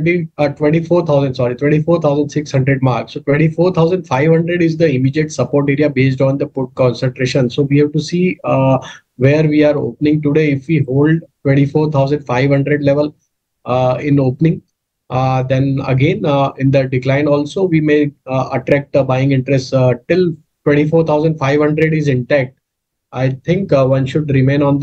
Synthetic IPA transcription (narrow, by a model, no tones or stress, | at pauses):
ʈiʈʋɛ̃ɳʈifoːɾt̪ʰaʊzə̃ɳɖsɔːɾiʈʋɛ̃ɳʈifoːɾt̪ʰaʊzə̃ɳɖsɪkshɐ̃ɳɖɾeɖmaːɾksoːʈʋɛ̃ɳʈifoːɾt̪ʰaʊzə̃ɳɖfaɪʋɦɐ̃ɳɖɾeɖɪzd̪əɪmiːd͡ʒieʈsɐpoːɾʈeːɾiabeːs̬ʈɔ̃ːnd̪əpʊʈ̚kɔ̃ːnsə̃ɳʈɾeːʃə̃nsoːʋiːɦɛʋʈusiː | ʋeɾʋiːaːɾo̰ːpnɪ̃ŋʈuɖeɪfʋiːɦoːlɖʈʋɛ̃ɳʈifoːɾt̪ʰaʊzə̃ɳɖfaɪʋɦʌ̃ɳɖɾeɖleʋəl | ɪ̃noːpənɪ̃ŋ | d̪ɛ̃nə̰ɡẽːnɪ̃nd̪əɖɪklãɪ̃nɔːlsoːʋiːmeːəʈɾɛk̚ʈbaɪɪ̃ŋɡɪ̃ɳʈɾɛsʈʈɪl | ʈwẽɳʈifoːɾt̪ʰaʊzə̃ɳɖfaɪʋhɐ̃ɳɖɾeɖɪzɪ̃ɳʈæk̚ʈ̚ | aɪt̪ʰɪ̃ŋkʋʌ̃nʃʊɖɾɪmẽːnɔ̃ːnd̪